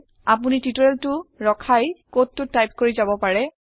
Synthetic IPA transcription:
ap̬unititɔɹeltʊɹɔkʰajkotːʊtːajp̚koɹizabɔpaɹɛ

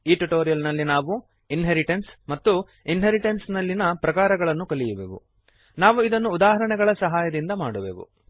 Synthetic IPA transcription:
iːʈuʈoːɾijɐlnɐlːinaːʋu | inɦeɾiʈensmɐt̪ːu | inɦeɾiʈensnɐlːinɐpɾɐkaːɾɐɡɐɭɐnːukɐɭijɐʋḛʋṵ | naːʋuid̪ɐnːuːd̪aːɦɐɾɐɳɛɡɐɭɐsɐɦaːjɐd̪ind̪ɐmaːɽuʋḛːʋṵ

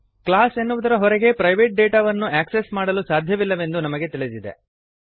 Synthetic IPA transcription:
klaːse̞nːuʋud̪ɐɾɐɦɔɾɛɡe̞pɾɐjʋe̞ːʈ̚ɖeːʈaːʋɐnːuʔaːksesmaːɽɐlusaːd̪ʱjɐʋilːɐʋe̞nd̪unɐmɐɡe̞t̪iɭid̪id̪ḛ

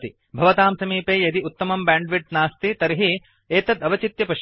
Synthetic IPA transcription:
t̪i | bʱɐʋɐt̪aːmsɐmiːpeːjɐd̪iut̪ːɐmɐmbaːɳɖʋiʈnaːst̪it̪ɐɾiɦi | eːt̪ɐd̪ɐʋɐt͡ʃit̪jɐpɐʃ

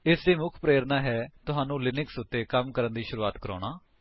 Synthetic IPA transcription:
ɪsd̪iːmʊkʰpɾeːɾnaːɦɛːt̪ʊɦaːnũːlɪnɪksʊt̪ːeːkəmkəɾənd̪iːʃʊɾuːaːt̪kəɾo̰ːɽaː

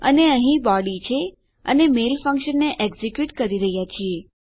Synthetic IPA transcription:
ə̰neəɦĩbɔɽit͡ʃʰe | ə̰nemelfəŋkʃənːeʔeɡzekjuʈkəɾiɾəɦjat͡ʃʰie

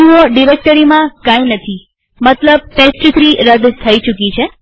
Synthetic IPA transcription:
ioɖiɾek̚ʈəɾimãkãinət̪ʰi | mət̪ləb̚pesʈɾit̪ɾiɾəd̪t̪ʰəit͡ʃukit͡ʃʰe

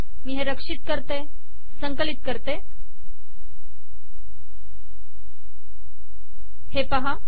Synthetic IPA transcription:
miːɦeɾəkʂit̪̚kəɾt̪e | səŋkəlit̪̚kəɾt̪e | hepəɦa

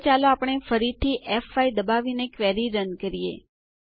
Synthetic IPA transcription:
t͡ʃaloapəɳ̃efəɾit̪ʰiʔɛfaid̪əbaʋinekʋɛɾiɾənkəɾijḛ

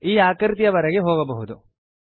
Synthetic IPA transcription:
iːaːkɐɾt̪jɐʋɐɾɐɡeɦoːɡɐbɐɦud̪u

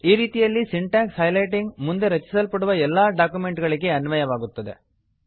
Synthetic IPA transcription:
iːɾiːt̪ijɐlːisiɳʈaːkshɐjlɐjʈiŋɡmund̪eɾɐt͡ʃːi̥sɐlpɐɽɯʋɐɛlːaːɖaːkumeɳʈɣɐɭɯkːeɐnmɐjɐʋaːɡut̪ːɐðe

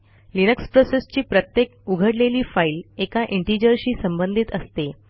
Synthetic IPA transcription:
linəkspɾosest͡ɕiːpɾət̪jek̚uɡʱəɽleliːfaiːlekaʔiɳʈid͡ʑəɾɕiːsəmbənd̪ʱit̪əst̪e

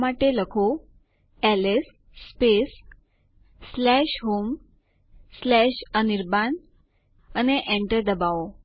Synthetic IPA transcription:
maʈeləkʰo | ɛles | spesː | lɛɕɦom | slɛɕəniɾban | əneʔẽɳʈəɾd̪əbao

